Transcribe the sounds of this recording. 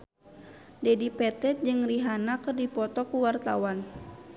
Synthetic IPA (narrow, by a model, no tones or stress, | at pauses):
dɛdipɛt̪ɛt̪̚d͡ʒɨŋriɦanakɨrdipɔt̪ɔkuwart̪awan